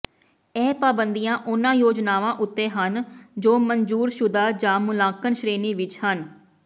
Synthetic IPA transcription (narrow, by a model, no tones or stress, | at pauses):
ɛːpaːbənd̪ijãːʔʊnãːjoːd͡ʒnaːʋãːʔʊt̪ːẽːɦənd͡ʒoːməɲd͡ʒuːɾʃʊd̪aːd͡ʒãːmʊlãːkənʃɾeːniːʋɪt͡ʃhən